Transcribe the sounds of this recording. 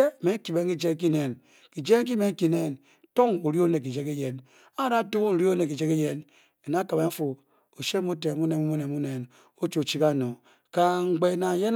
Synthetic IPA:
e˦˨me˨˦ŋ˦ki˨be˦ŋ˦ki˦d͡ʒe˦k̬i˦ne˨n | ki˨d͡ʒe˦ŋ˦k̬i˦me˨ŋ̩˦ki˦ne˦n | to˦ŋu˨ɾi˦o˦ne˨k̬i˨d͡ʒe˦ke˦je˨n | a˦ɾa˦tu˦n̩˨ɾi˦o˦ne˨k̬i˨d͡ʒe˦ke˦je˦n | e˨na˦ka˨be˦m̩˦fu˨ | o˨ʃe˦mu˦te˨mu˦ne˨mu˦mu˦ne˨mu˦ne˨n | o˦t͡ʃo˨t͡ʃi˦ka˦˨no˨ | ka˨ŋ͡m̩˨ɡ͡be˨na˨je˦n

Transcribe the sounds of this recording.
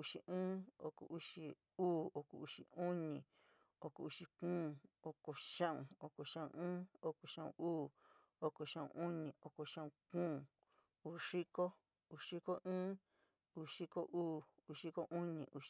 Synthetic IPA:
u˧ʂi˨ʔɨ̃ː˦o̰˧ko̰˨ʔu˧ʂi˧ | uː˦˨o˧kṵ˨u˧ʂi˨u˦ɲĩ˨ | o˧ko˨u˧ʂi˧kũː˦˨o˧ko˨ʃã˦ʔṵ̃˨o˧ko˨ʃã˦ṵ̃˧˨ɨ̃ː˦o˦ko˨ʃã˦˨ṵ̃˨ʔuː˦˨ | o˧ko˨ʃã˦˨ṵ̃˨ʔu˦ɲĩ˨o˧ko˨ʃã˦ũ˧kũː˦˨ | uː˦˧˨ʂi˦ko˦ | uː˧˨ʂi˦ko˦ʔɨ̃ː˦ | u˧˨ʂi˦ko˦ʔuː˦ | u˧ʂi˦ko˦ʔu˦ɲĩ˨ʔu˧ʃ

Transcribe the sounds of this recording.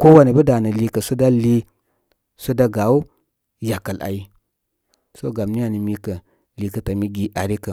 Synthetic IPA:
ko˦wa˦ni˨bə˦da˨nə˨li˦kə˨su˦da˦li˦ | su˦da˦ɡa˨u˦ | ja˨kə˨lʔa̰˨ji˦ | so˦ɡa˨m˦ni˦ja˨ni˨mi˦kə˨ | li˨kə˨ta˨mi˦ɡi˨ʔa˨ɾi˦kə˨

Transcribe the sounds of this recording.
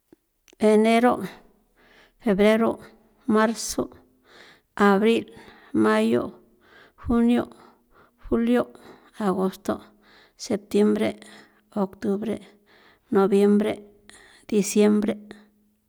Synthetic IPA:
be˨ne˦ɾo˦ | fe˨bɾe˦ɾo˦˨ | ma˦ɾso˦ | a˨bɾi˦l | ma˦jo̰˦ | xu˦njo̰˦ | xu˦ljo˦ | a˨ɡo˧st̪o̰˦˨ | se˨p̚t̪je˦mbɾe˦ | o˨kt̪u˦bɾḛ˦ | no˨bje˦mbɾe˦ | d̪̥i˧sje˦mbɾe˦

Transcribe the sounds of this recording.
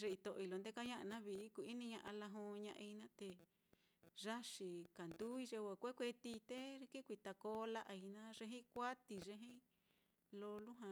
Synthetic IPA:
ʐe˧i˧t̪o˨ʔi˧lo˧nd̪e˦˧ka˦ɲã˦ʔa˧nã˦βi˧˦ku˧˨i˦nĩ˧ɲã˧ʔa˧la˧ɦõ˧˦˧ɲã˧ʔa˧i˧nã˦t̪e˧ | ʐa˦ʂi˧ka˨nd̪u˦i˧ʐe˧wa˧˨kʷe˦kʷe˧t̪i˧t̪e˦˧ki˦kʷi˧t̪a˧koː˦la˦ʔa˧i˧nã˦ʐe˧ɦĩ˦kʷa˦t̪i˧˨ʐe˧ɦĩ˦ | lo˧lu˦ɦã˧

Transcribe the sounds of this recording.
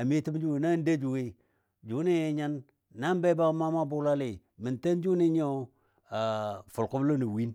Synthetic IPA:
a˨mi˦ti˦md͡ʒu˦wi˨na˦n˦de˦d͡ʒu˨wi˦ | d͡ʒu˨˦ni˦˨ɲa˦n | na˦m˦be˦ba˦ma˦ma˦bu˦la˦li˨ | mi˨nta˦n˦d͡ʒu˦ni˦ɲ˦o˦ | a˨fu˨lku˦blo˦ni˨wi˦n

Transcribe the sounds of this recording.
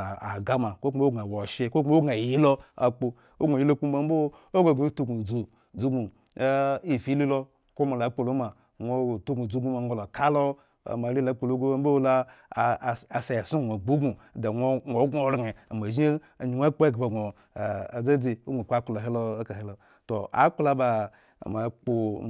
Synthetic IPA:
a˨a˨ɡa˦ma˨ko˦ko˦ɡa˨wo˨ʃe˦ko˦o˦o˦ɡa˨ji˦lo˦a˨k͡po˨ | o˦ɡʷo˨ji˦lo˦ku˦ma˨m˦bo˦ | o˦ɡʷo˨ɡo˦tu˦ɡu˨d͡zo˨ | d͡zu˦ɡu˨˦ | i˨fi˦li˦lo˦ | ko˦ma˨la˨˦k͡po˨lo˦ma˨ | ŋʷo˨tu˦ɡu˨d͡zu˦ɡu˦ma˨ŋʷo˨lo˨ka˦lo˦ | a̰˨ma˨li˦la˨˦k͡po˨lo˦ɡa˦m˦bo˦la˦˨ | a˨se˨ja˨su˦˨ŋʷ˨o˨ɡ͡bu˦ɡu˨da˨ŋʷ˦ŋʷo˨˦ɡo˦˨˦ɾe˨a̰˨ma˨ʒi˦˨ | ɲi˨ŋʷ˦a˦k͡po˦e˦ɡba˨ɡo˨ | a˨d͡za˦d͡ze˨o˦ɡʷo˨ka˦ku˨la˨ɦe˦lo˦ka˨he˦lo˨ | to˨a̰˨˦k͡pla˦ba̰˨ | ma˨˦k͡po˨

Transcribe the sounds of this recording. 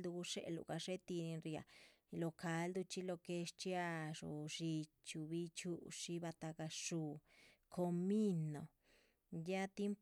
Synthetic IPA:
ld̪u˧u˧ʂe˦˧lṵ˨ka˧ʂe˦t̪i˧ni˧nɾi˧a̰˨˧ | lo˧ka˧˦ld̪u˧t͡ʃi˧lo˧ke˧ʂt͡ʃi˦a˧ʂṵ˨ʂi˧ | t͡ʃu˧βi˧t͡ʃu˧˦ʂi˧βa˧t̪a˧ka˧ʂu˧kʰo˧mi˦no˨ | ja˦t̪ji˦mp

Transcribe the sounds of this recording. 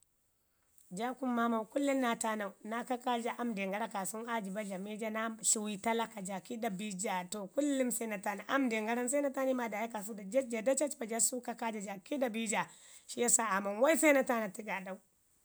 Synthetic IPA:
d͡ʒa˦ku˦mːa˦ma˨wku˦lːi˦nna˨ta˦na˨wu˨na˦ka˦ka˦d͡ʒa˦ʔa˦mde˨ŋɡa˦ɾa˦ka˨su˦ŋa˦d͡ʒi˨ba˦ɮa˨me˦d͡ʒa˦na˦ɬu˨wi˦ta˦la˨ka˨d͡ʒa˨ki˦da˨bi˦d͡ʒa˨to˨ku˦lːi˦mse˦na˨ta˦na˨ʔa˦mde˨ŋɡa˦ɾa˦ns̬a˦na˦ta˦ni˦ma˦da˨ja˦ka˨s̬u˦da˨d͡ʒa˦d͡ʒa˨da˦t͡ʃa˦t͡ʃba˨d͡ʒa˦su˦ka˦ka˦d͡ʒa˨d͡ʒa˨ki˦da˨bi˦d͡ʒa˨ | ʃi˦ja˦sa˦a˨ma˨nwa˦i˦sa˦na˦ta˦na˨ti˦ɡa˨ɗa˦u˦

